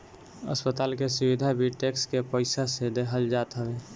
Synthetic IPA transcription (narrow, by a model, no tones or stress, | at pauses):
ə̰spət̪aːlkesʊwid̪ʱabʱiʈeːkskepəɪsased̪eɦəld͡ʒaːt̪ɦəwe